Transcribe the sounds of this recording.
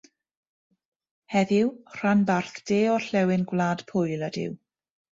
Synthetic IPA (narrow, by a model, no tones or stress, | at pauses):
hɛðɪwr̥anbarθd̥eːɔɬɛwɪnɡwlˠaːd̥pʰʊjlˠad̥ɪ̰w